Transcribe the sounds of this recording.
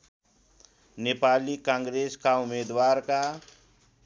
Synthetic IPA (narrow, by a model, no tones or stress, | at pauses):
neːpaːlikãːŋɡɾeːskaʊmeːd̪waːɾka